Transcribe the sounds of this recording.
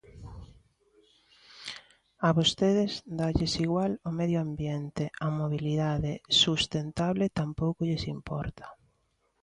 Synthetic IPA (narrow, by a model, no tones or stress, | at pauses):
ɐβost̪eðɪzd̪aʎesiɣwalomeðjoambjent̪eɐmoβ̞iliðaðesust̪ent̪aβlet̪ampowkʊʎesimpɔ̰ɾt̪ʰɐ̥